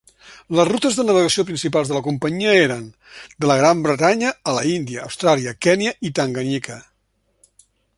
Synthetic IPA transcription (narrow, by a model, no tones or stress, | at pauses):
ləzrut̪əzðənəβəɣəsiopɾinsipalˠzðələkumpəɲiəeɾən | d̪ələɣ̞ɾambɾət̪aɲəːlə̰ind̪iəːwst̪ɾaliəkɛniəʔit̪aŋɡənikə